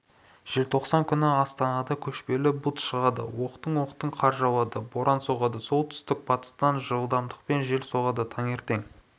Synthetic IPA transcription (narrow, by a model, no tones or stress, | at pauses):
ʒ̥elt̪ʰo̞qsɑŋkʲʰʏnɪɑst̪ɑnɑd̪ɑkʲʰɵʃpe̞lɪbut̪ʃəʁɑd̪ə̰wo̞qt̪əɴwo̞qt̪əɴqʰɑɾʒɑwˠɑd̪əbo̞ɾʔɑnsoʁɑd̪əso̞lˠt̪ʰʏ̥st̪ɪk̚pʰɑt̪ə̥st̪ɑnʒəlˠd̪ɑmd̪əq̚pe̞nʒe̞lso̞ʁɑd̪ət̪ʰɑŋe̞ɾt̪e̞ŋ